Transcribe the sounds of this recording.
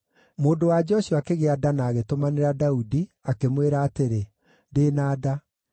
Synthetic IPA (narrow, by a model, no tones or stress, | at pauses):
moːdowad͡ʒɔʃuakeɣeadanaːɣetomaneɾadaudiakemweɾaːteɾe | deːnaːda